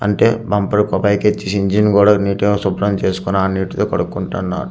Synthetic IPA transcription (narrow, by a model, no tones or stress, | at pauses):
ɐ̰ɳʈeːbɐmpɐɾukɔpɐjket͡ʃːisiɲd͡ʒinkuːɽaːniːʈeːsupɾɐmt͡ʃe̞ːsu̥kunːaːniːʈit̪oːkɐɽukːuɳʈɐnːa̰ːɾu